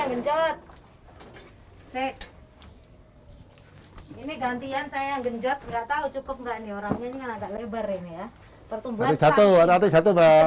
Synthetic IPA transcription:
aŋɡəɲd͡ʒɔt̪̚ | se | iniɡant̪iansajaaŋɡəɲd͡ʒɔt̪̚ŋɡaʔt̪aut͡ʃukʊp̚ŋɡaʔnioɾaŋɲaniŋanaɡaʔlebərinija | pərt̪umbuat̪isat̪ut̪at̪isat̪uba

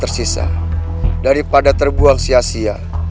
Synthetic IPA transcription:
ərsisa̰ | daɾipadat̪ərbuaŋsiasia

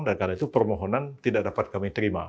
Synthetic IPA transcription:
ŋdankanait̪upərmoɦonant̪idaʔdapat̪̚kamit̪əɾima̰

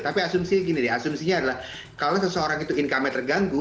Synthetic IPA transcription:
t̪apiasumsiɡinidaasumsiɲaːdalah | kalosəsəoɾaŋit̪uɪnkamɛt̪ərɡaŋɡʊ

